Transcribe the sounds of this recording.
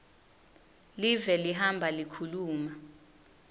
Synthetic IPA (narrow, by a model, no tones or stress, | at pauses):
livɛliɦambʱalikʰuluːma